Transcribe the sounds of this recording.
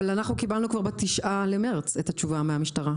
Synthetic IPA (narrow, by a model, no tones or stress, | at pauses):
lanaχnukibalnukvaʁbat̪iʃʔalemeʁt͡set̪hat͡ʃuvameamiʃtaʁa